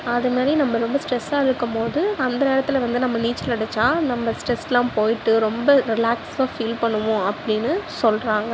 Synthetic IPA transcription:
ɐðɯmaːd̪ɾinɐmːɐɾɔmbɐsʈɾɛsaːɛɽɯkːɯmpoːðɯɐnd̪ɐneːɾɐt̪ːɪlɐʋɐnd̪ɯnɐmːɐniːt͡ʃːɐlɐɽɛt͡ʃːaːnɐmːɐsʈɾɛsɛlãːpoːjɪʈːɯɾɔmbɐɾɪlaːksaːfiːlpɐɳːɯʋʊ̃ɐpːɐɽɪnːɯsɔlɾaːŋɡɐ

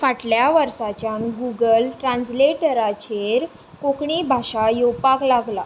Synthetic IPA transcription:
faʈljaʋəɾsat͡ɕjanɡuɡəlʈɾãnsleʈəɾat͡ɕeɾ | kokɳibʱaɕajopaklaɡla

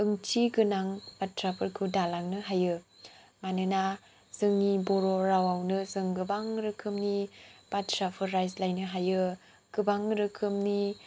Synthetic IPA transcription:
ɯŋt͡ʃiɡɯnaŋbatɾapʰɯɾkʰudalaŋnɯɦajɯ | manɯna | z̥ɯŋiboɾoɾawawnɯzɯŋɡɯbaŋɾɯkʰɯmnib̥atɾapʰɯɾːajslajnɯɦajɯ | ɡ̥ɯbaŋɾɯkʰɯmni

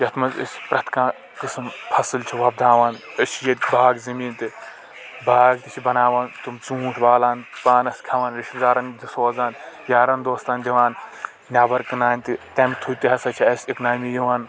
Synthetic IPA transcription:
jɐt̪ʰmɐzḭsʲpɾɐt̪kãː | kɨsɨmpʰɐsɨlt͡ʃʰiʋɐb̚d̪aːʋaːnɐsʲjɐt̪ʲbaːɡzɐmiːnt̪ɨ | baːɡ̚t̪it͡ʃʰibɐnaːʋaːnt̪umt͡sũːʈʰbaːlaːnpaːnɐskʲʰɐʋaːnɾiʃɡaːɾɐnd̪isoːzaːnjaːɾɐnd̪oːst̪aːnd̪ʲiʋaːn | nʲaːbɐɾkɨnaːnʲt̪it̪ʲɐːmʲit̪ʰut̪iɦɐsɐt͡ʃʰiɐsʲiknaːmijiʋaːn

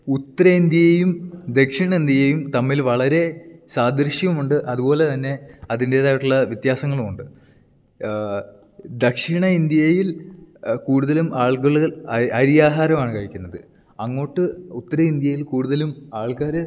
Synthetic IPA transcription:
ut̪ːɐɾɐind̪jɐjejumd̪e̞kʂiɳɐind̪jɐjejumt̪ɐmːilʋɐɭɐɾe̞saːd̪ɐɾɕjɐmuɳɖɨʔɐðupo̞ːle̞t̪ɐnːe̞ɐðinde̞ːðaːʋiʈːuɭːɐʋjit̪jaːsɐŋːɐɭumuɳɖɨ | d̪ɐkʂiɳɐind̪jɐɐjil | kuːɽuðɐlumaːɭkɐɭːɣɐɭɐɾijaːɦaːɾɐmaːɳɨkɐɻikʲːunːɐðɨ | ɐŋːo̞ːʈːɨut̪ːɐɾɐind̪jɐjilkuːɽuðɐlumaːɭkaːɾɨ

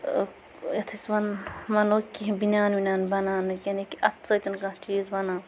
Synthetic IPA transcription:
jɐt̪ʰisʋɐnmɐnoːkːibinʲaːnbinʲaːnbɐnaːnɨkʲɐnikiɐt̪ʰt͡sɐjt̪ɐnkɐ̃t͡ʃiːzbɐnaː

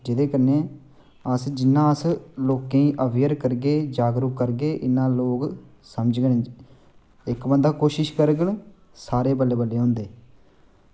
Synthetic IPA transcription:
d͡ʒɪd̪eːkəneː | əsd͡ʒɪnːãːəsloːkẽĩːʔəbjəɾkəɾɡeːd͡ʒaːɡɾʊkːəɾɡeːʔɪnːãːloːk | səməd͡ʒɡən | ɪkbə̃nd̪aːkoːʃɪʃkəɾɡəl | saːɾeːbəlːeːbəlːeːɦõːnd̪eː

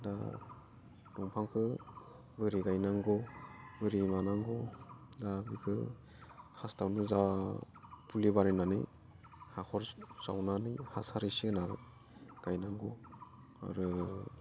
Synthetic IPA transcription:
da | dɔŋpʰaŋkʰɯ | bɯɾiɡajnaŋɡɔbɯɾimanaŋɡɔdabikʰɯ | hastawnɯza | pʰulibaɾinanɯ̰ | hakʰɔɾsawnanɯhasaɾisinaɾɯ | ɡ̥ajnaŋɡɔ | a̰ɾɯ

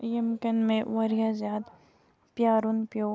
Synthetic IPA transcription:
jemkɐnmẽʋɐɾijazjaːd̪ | pjaːɾunpjoː

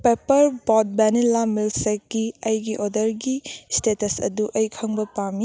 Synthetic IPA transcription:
pepɐɾbɔt̚bɛnilːamilsek̚ːiɐjɡiʔodɐɾɡistetɐsɐ̰duʔɐjkʰɐŋbɐpami

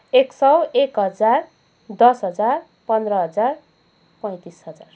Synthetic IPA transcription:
eksʌwekɦʌd͡zar | d̪ʌsɦʌd͡zar | pʌnd̪rʌɦʌd͡zar | pʌ̃j̃t̪isɦʌd͡zar

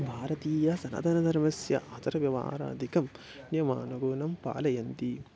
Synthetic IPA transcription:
bʱaːɾɐt̪iːjɐsɐnɐ̰ːd̪ʱɐnɐd̪ʱɐɾmɐsjɐ̰ʔat̪ɐɾɐʋjɐʋa̰ːɾa̰ːd̪ʱikɐm | njɐma̰ːnuɡuːnɐmpa̰ːlɐjɐnt̪i

